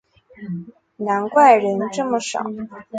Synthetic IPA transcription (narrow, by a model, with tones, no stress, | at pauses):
na˧˥nkwa˥˩ɪɻə˧˥nʈ͡ʂɤ˥˩mə˩ʂɑ̰˨˩˦ʊ